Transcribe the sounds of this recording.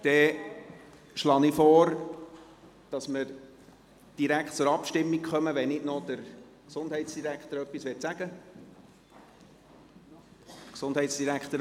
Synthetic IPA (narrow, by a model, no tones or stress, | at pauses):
d̥ɛ | ʃlɑːnifɔːɾ | d̥ɑsməɾ | d̥iɾækχtt͡sʊɾɑpʃtɪmːikχœməʋɛnɪdnɔd̥əɾ | ksʊndɦɛɪtsd̥iɾækχt̪əɾœpːisʋɪtsæɡ̥ə | ksʊnd̥ɦɛɪtsd̥iɾækt̪əɾ